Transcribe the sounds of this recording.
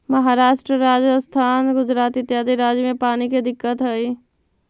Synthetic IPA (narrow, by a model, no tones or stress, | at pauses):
məɦaɾaːʃʈɾəɾaːd͡ʒəst̪ʰaːnɡʊd͡ʒɾaːt̪ɪt̪jaːd̪iɾaːd͡ʒjəmẽpaːniked̪ɪkːət̪ɦəi